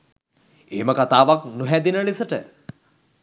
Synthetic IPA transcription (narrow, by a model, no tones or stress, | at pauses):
eːməkat̪aːʋaknuɦɛd̪inəɭisəʈə